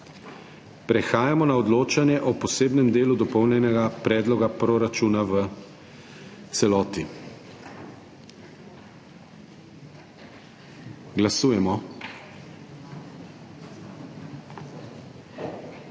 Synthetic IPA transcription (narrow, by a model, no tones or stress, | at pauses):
pɾɛxaːjamɔnaɔd̪loːt͡ʃanjɛʔɔpɔseːbnɛmd̪eːlud̪ɔpɔwnjɛnɛɡapɾɛːd̪lɔɡapɾoɾat͡ʃuːnaʋə | t̪sɛlɔːt̪i | ɡlasuːjɛmɔ